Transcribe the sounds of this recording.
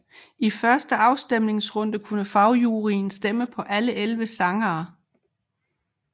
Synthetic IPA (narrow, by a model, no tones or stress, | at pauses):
ifɶɐsd̥əɑ̈ʊsd̥em̰ne̝ŋsʁɔ̽n̰d̥əkʰunəfɑ̈ʊjuːʁinsd̥eməpʰɒ̽ʔæləʔelʋəsɑ̈ŋɐː